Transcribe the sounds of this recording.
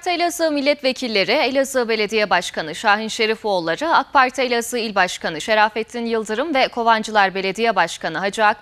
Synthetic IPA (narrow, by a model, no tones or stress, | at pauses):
t̪elʲazɯːmilʲːɛt̪ve̞cʰilʲːe̞ɾielʲazɯbe̞lʲe̞d̪ijɛbaʃkʰanɯʃaːɦinʃe̞ɾifolˠːaɾɯak̚pʰaɾt̪ʰaelʲasɯilʲbaʃkanɯʃe̞ɾaːfɛt̪ʰːinjɯlˠd̪ɯɾɯmvɛkʰo̞vand͡ʒɯlˠaɾbe̞lʲe̞d̪ijɛbaʃkanɯɦad͡ʒak